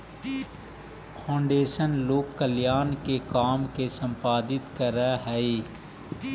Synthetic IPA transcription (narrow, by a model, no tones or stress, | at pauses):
pʰãːɳɖeːʃənloːkːəljaːnkekaːmkesə̃mpaːd̪ɪt̪kəɾaɦɛeː